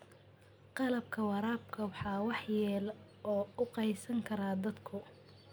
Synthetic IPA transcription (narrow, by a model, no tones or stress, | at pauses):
qɑlɐb̚kʰɐwɑɾaːb̚kʰɐwɑħɑːwɑħjɛːl | ɔːʊqɑjsɐŋkʰɐɾaːd̪ɐd̪kʰʊ